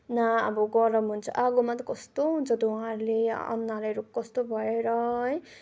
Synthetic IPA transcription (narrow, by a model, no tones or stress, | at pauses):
naa̰bʌɡʌɾʌmunt͡sʰʌʔaɡomat̪ʌkʌst̪oɦunt͡sʰʌd̪owũãɾuleʌ̰nːalaɾokʌst̪obʱʌeɾʌɦʌj